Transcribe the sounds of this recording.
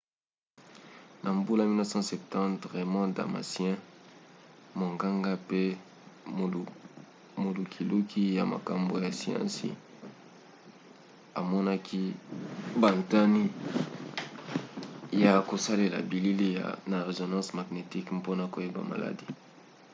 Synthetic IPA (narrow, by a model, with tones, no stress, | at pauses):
nʔa˨mbu˦la˦mi˦na˦sã˦sɛ˨ptɑ̃˦tʁe˨mɔ̃˦da̰˨ma̰˨sjɛ̃˦ | mo˨ŋɡa˦ŋɡa˦pe˦˨ | mo˨lu˨kʰi˨lu˦kʰi˦ja̰˨ma̰˨ka˨mbo˨ja˨si˦ɑ̰̃˦sḭ˨ | a˨mɔ˦na˦kʰi˦ | ba˨nta˦ni˦ | ja˨ko˨sa˦le˨la̰˨bi˨li˦li˦ja̰˨na˨ʁe˨zo˨nɑ̃˦sma˨ɡne˨ti˦kpo˦na˨ko˨je˦ba̰˨ma̰˨la̰˨di˦